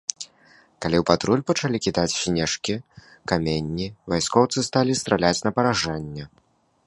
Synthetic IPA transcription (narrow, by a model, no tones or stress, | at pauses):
kalʲiwpat̪ɾulʲpɐt͡ʂalʲikʲid̪at͡sʲsʲnʲɛʂkʲi | kamʲenʲːivajskɔwt̪sɨst̪alʲist̪ɾalʲat͡sʲnɐpɐɾaʐanʲːɛ